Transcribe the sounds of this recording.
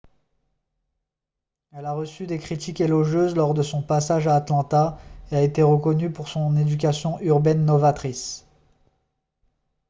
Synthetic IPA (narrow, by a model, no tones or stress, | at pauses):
ɛlaʁəsyd̪ekχit̪ikelɔʒøzlɔʁd̪əsɔ̃pasaʒaːt̪lɑ̃t̪aeaet̪eʁəkɔnypuʁsɔ̃ned̪yk̬ʲasjɔ̃ʔyʁbɛnːɔvat̪χis